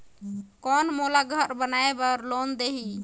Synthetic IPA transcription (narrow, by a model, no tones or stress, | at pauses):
kɔnmolaɡʱəɾbənaebəɾlond̪eɦi